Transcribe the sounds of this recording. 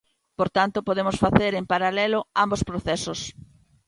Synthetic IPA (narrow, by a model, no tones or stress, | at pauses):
poɾt̪ant̪ʊpoðemʊsfaθeɾempaɾalɛlʊambospɾoθɛsos